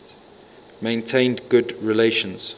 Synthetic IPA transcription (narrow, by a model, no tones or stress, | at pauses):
mẽɪ̃ntʰẽɪ̃ndɡʊdɹileʃə̃nz̥